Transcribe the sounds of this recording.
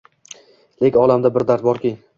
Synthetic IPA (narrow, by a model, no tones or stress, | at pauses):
lekʲɒlˠamd̪abɪɾd̪aɾt̪̚bɒɾkʲi